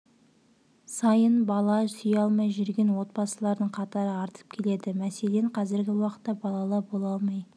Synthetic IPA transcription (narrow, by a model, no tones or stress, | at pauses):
sɑjənbɑlˠɑsʏjɑlˠmɑjʒʏɾɡʲe̞nwo̞t̪̚bɑsəlˠɑɾd̪əɴqʰɑt̪ɑɾəɑɾt̪ə̥p̚kʲʰe̞le̞d̪ɪmæse̞le̞ɴqʰɑzɪɾɡʲɪwɑqə̥t̪ːɑbɑlˠɑlˠɑbolˠɑlˠmɑj